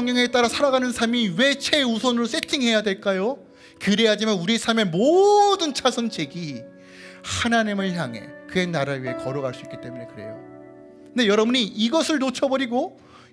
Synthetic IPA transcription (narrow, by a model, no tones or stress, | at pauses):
ŋɲjʌŋet͈aɾasʰaɾaɡanɯnsʰaɭmiwe̞t͡ɕʰeusʰʌnɯɾos͈e̞tʰiŋɦe̞jadwe̞ɭk͈ajo | kɯɾe̞ɦad͡ʑimanuɾiesʰaɭme̞modɯnt͡ɕʰasʰɯnt͡ɕe̞ɡi | hanaɲimɯɭçjaŋɦe̞̰kɯe̞naɾaɥiekʌɾʌɣaɭs͈uik͈it͈e̞munekɯɾe̞̰jo̰ | nde̞jʌɾʌbuɲiːɡʌsʰɯɭnot͡ɕʰʌbʌɾiɡo